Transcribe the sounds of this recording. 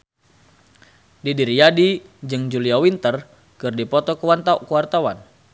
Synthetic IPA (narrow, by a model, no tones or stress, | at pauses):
didiɾijadid͡ʒɨŋd͡ʒuliawint̪ər | kɨrdipɔt̪ɔkəwant̪aukəwart̪awan